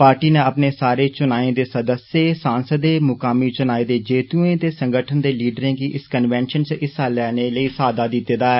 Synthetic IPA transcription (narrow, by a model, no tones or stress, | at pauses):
paːɾʈiːneːəpneːsaːɾeːt͡ʃʊnaːẽːd̪eːsəd̪əseːsãːnsəd̪eːmʊkaːmiːt͡ʃʊnaːeːd̪eːd͡ʒeːt̪uːẽːt̪eːsəŋɡəʈʰənd̪eːliːɖəɾẽːɡiːʔɪskənʋɛːnʃənt͡ʃʔɪsaːlɛːneːləiːsaːd̪aːd̪ɪt̪ːeːd̪aːɛː